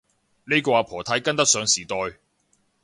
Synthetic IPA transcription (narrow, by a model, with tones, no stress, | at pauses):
ne˥kɔː˧aː˨˧pʰɔː˨˩t̪ʰɐ˨˧˥jkɐ˥nt̪ɐ˥k̚sœː˨˧ŋsiː˨˩t̪ɔː˧j